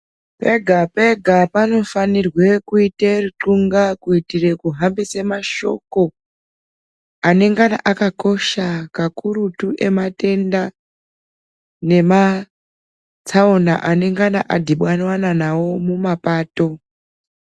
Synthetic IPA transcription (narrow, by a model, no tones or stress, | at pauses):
pe̞ɡʱape̞ɡʱapano̞fanirwe̞kuiteriǁuŋɡakuitire̞kuɦambisemaʃo̞̰ko̞ | ane̞ŋɡanaʔakako̞ʃakakuɾutuʔe̞mate̞nda | ne̞ma | t͡sʰaona̰ʔane̞ŋɡana̰ʔadʱiɓwanwananawo̞mumapaːto̞